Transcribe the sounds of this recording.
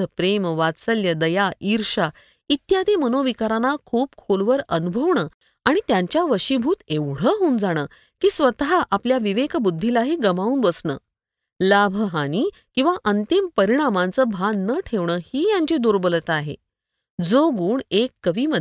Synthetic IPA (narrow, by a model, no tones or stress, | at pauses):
əpɾemʋasəljəd̪əjaʔiɾʂa | it̪jad̪ʱiːmənoʋikaɾanakʰuːp̚kʰolʋəɾənubʱəʋɳəː | aɽ̃it̪jaɲt͡ɕjaʋəɕibʱuːt̪eʋɽ̤əɦoːnd͡zaɽ̃əː | kiːsʋət̪ɦaʔapljaʋiʋekbud̪ʱːilaɦiːɡəmaũːnbəsɳə̰ː | labʱəɦañiːkĩw̃ʋaʔənt̪impəɾiɽ̃amãnt͡səːbʱanːəʈʰeʋɳəːhiːjãɲt͡ɕid̪oɾbələt̪aɦḛ | d͡zoɡuːɳekːəʋiːmə